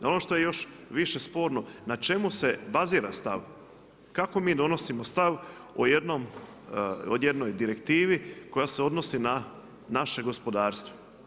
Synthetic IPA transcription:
o̞no̞ʃt̪o̞je̞jo̞ʃʋiʃe̞spo̞ːɾno̞nat͡ʃe̞muse̞baziːɾast̪a̰ʋ | kako̞miːd̪o̞no̞simost̪aʋ | ojed̪no̞m | ojed̪no̞jd̪iɾe̞kt̪iːʋiko̞jaseo̞d̪no̞sina | naʃe̞ɡo̞spo̞d̪aːɾst̪ʋo̥

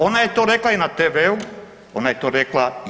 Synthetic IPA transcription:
onaet̪oɾeklainat̪eʋeu | onaɛt̪oɾekla

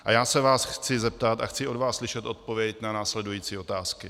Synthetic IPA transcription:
ʔa̰jaːsɛvaːsxt͡sɪzɛp̚t̪at̪axt͡sɪʔo̞dvaːsslɪʃɛt̪ʔo̞t̪̚po̞vjɛcnanaːslɛdujiːt͡siːo̞t̪aːskɪ

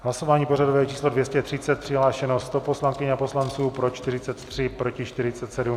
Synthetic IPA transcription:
ɦlasovaːɲiːpo̞radovɛːt͡ʃiːslo̞dvjɛscɛt̪r̥ɪt͡sɛt̪̚pr̥ɪɦlaːʃɛnost̪opo̞slaŋkɪɲɛapo̞slant͡suːpɾo̞t͡ʃt̪ɪrɪt͡sɛt̪t̪r̝̥ɪpɾo̞cɪʃt̪ɪɾɪt͡sɛt̪sɛdum

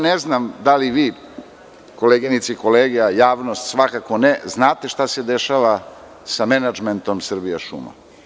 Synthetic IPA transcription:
neznamd̪aliʋiː | ko̞leɡinit̪siiko̞leːɡijajaːʋnost̪sʋakako̞neznaːt̪e̞ʃt̪ase̞d̪eʃaʋa | samenad͡ʒment̪o̞msr̩bijaʃṵma̰

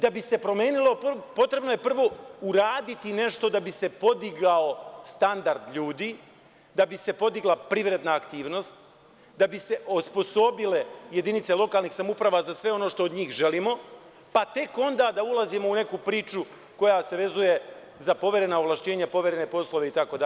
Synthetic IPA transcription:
d̪abise̞pɾo̞me̞ːnilˠo̞ppo̞t̪ɾe̞bno̞je̞pr̩ʋo̞uɾaːd̪it̪ine̞ʃt̪o̞d̪abise̞po̞d̪iɡaost̪and̪aɾd̪ʎuːd̪iː | d̪abise̞po̞d̪iɡlˠapɾiʋɾe̞d̪naːkt̪iːʋno̞st̪ | d̪abise̞ʔospo̞so̞bile̞je̞d̪init̪se̞lˠo̞kaːlˠniːxsamoupɾaʋazasʋe̞o̞no̞ʃt̪o̞ːd̪ɲiːxʒe̞liːmo̞ | pat̪e̞ko̞nd̪ad̪aulˠazimo̞une̞kupɾiːt͡ʃu | ko̞jase̞ʋe̞zuje̞ | zapo̞ʋʲje̞ɾe̞naoʋlˠaʃt͡ɕe̞ːɲapo̞ʋʲe̞ɾe̞ne̞po̞slˠoʋe̞it̪ako̞d̪a

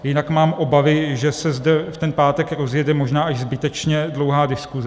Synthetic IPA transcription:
jɪnakmaːmʔo̞bavɪʒɛsɛzdɛft̪ɛnpaːt̪ɛkɾo̞zjɛdɛmo̞ʒnaːʔaʒzbɪt̪ɛt͡ʃɲɛdlo̞wɦaːdɪskuzɛ

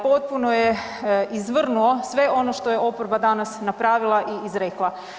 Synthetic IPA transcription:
po̞t̪̚puno̞jeʔizʋr̩nuosʋe̞ʔo̞no̞ʃt̪o̞je̞ʔo̞poɾbad̪anasnapɾaːʋilˠaʔiizɾeklˠa

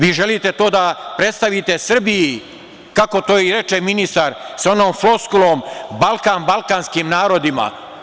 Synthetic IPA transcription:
ʋiːʒe̞lit̪e̞t̪o̞ːd̪apɾe̞t̪st̪aʋit̪e̞sr̩biji | kako̞t̪o̞ːiɾe̞t͡ʃeminist̪aɾso̞noːmflo̞skuloːmbalˠkaːnbalkaːnskimnaːɾo̞d̪ima̰

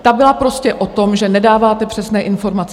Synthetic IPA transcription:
t̪abɪlapɾo̞scɛʔo̞t̪o̞mʒɛnɛdaːvaːt̪ɛpr̥ɛsnɛːʔɪnfo̞ɾmat͡s

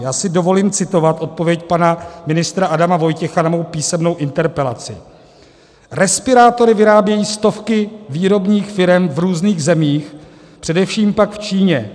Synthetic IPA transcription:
jaːsɪdo̞vo̞liːmt͡sɪt̪o̞vat̪ʔo̞t̪̚po̞vjɛcpanamɪnɪst̪ɾaʔadamavo̞jcɛxanamo̞wpiːsɛmno̞wʔɪnt̪ɛɾpɛla̰t͡sɪ̰ | ɾɛspɪɾaːt̪o̞ɾɪvɪɾaːbjɛjiːst̪o̞fkɪviːɾo̞bɲiːxfɪɾɛmvɾuːzniːɣzɛmiːx | pr̥ɛdɛfʃiːmpakft͡ʃiːɲɛ

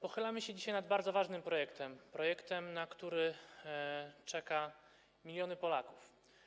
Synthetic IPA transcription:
pɔxɘlamɘɕɛd͡ʑiɕajnad̪baɾd̪zɔvaʐnɘmpɾɔjɛkt̪ɛmpɾɔjɛkt̪ɛmnakt̪uɾɘ | t͡ʂɛka | mʲilʲjɔnɘpɔlakuf

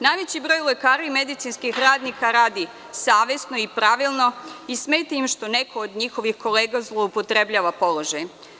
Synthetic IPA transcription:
najʋet͡ɕibɾo̞jle̞kaːɾaime̞d̪it̪sinskixɾaːd̪nikaɾaːd̪i | saːʋe̞sno̞ipɾaʋilˠno̞ismeːjt̪eimʃt̪o̞nekʰoːd̪ɲixo̞ʋixko̞leːɡazlˠoupot̪ɾe̞bʎaːʋapo̞lˠo̞ʒaj

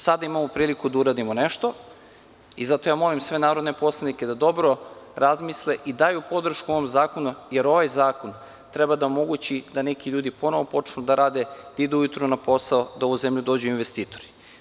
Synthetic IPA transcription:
sad̪aimamopɾiːlikud̪auɾaːd̪imone̞ʃt̪o̞ | izat̪o̞jaːmo̞limsʋe̞naːɾo̞d̪ne̞po̞slˠanike̞d̪ad̪o̞bɾo̞ɾazmisleʔid̪ajupo̞d̪r̩ʃkuo̞ʋomzaːko̞nujeɾo̞ʋajzaːkon | t̪ɾe̞bad̪aomo̞ɡut͡ɕid̪ane̞kiʎuːd̪ipo̞no̞ʋo̞po̞t͡ʃnud̪aɾaːd̪e̞d̪̥aid̪uujut̪ɾunapo̞saod̪ao̞ʋuze̞mʎud̪o̞ːd͡ʑuinʋest̪iːt̪o̞̥ɾi̥

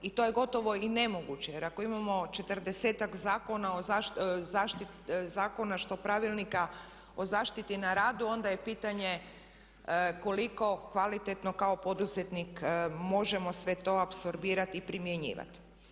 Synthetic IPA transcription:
it̪o̞je̞ɡo̞t̪o̞ʋo̞ine̞mo̞ɡut͡ɕejeɾako̞imamo̞t͡ʃe̞t̪rd̪eseːt̪akzaːko̞naozazaːʃt̪i | zaːko̞naʃt̪o̞pɾaʋilˠnika | o̞zaːʃt̪it̪inaɾaːd̪uo̞nd̪aje̞piːt̪aɲe̞ | ko̞liko̞kʋalit̪et̪no̞kao̞po̞d̪uzet̪nikmo̞ʒe̞mo̞sʋe̞t̪o̞apso̞ɾbiːɾat̪ipɾimjeɲḭːʋa̰t̪i̥

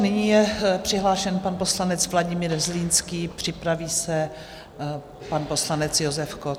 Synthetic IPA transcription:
nɪɲiːjɛpr̥ɪɦlaːʃɛnpanposlanɛt͡svlaɟɪmiːɾzliːnskiːpr̝̥ɪpɾaviːsɛ | panpo̞slanɛt͡sjozɛfko

